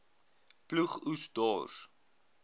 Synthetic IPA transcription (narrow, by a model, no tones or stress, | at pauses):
pluχusdɔ̰ːs